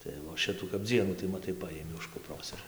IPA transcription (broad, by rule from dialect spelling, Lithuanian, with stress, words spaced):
tɐɪ ʋoː ˈʃʲɪtuː kɐp ˈd͡zʲiɛnuː tɐɪ mɐˈtɐɪ ˈpɑːjɪmʲɪ ʊʃ kʊpˈroːs ɪr